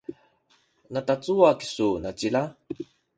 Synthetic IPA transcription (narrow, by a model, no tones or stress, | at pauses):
natat͡suaki̥sunat͡ɕila